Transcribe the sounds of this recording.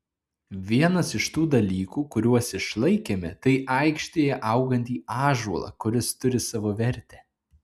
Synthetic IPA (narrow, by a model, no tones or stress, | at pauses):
ʋʲiɛnɐsɪʃt̪uːd̪ɐlʲiːkuːkʊɾʲuɔsɪʃlˠɐɪkʲeːmʲɛt̪ɐɪʔɐɪkʃʲt̪ʲeːjɛʔɐʊɡɐnʲt̪ʲiːʔɑːʒuɔlˠɑ̰kʊɾʲɪst̪ʊɾʲɪsɑːʋoːʋʲɛɾʲt̪ʲɛː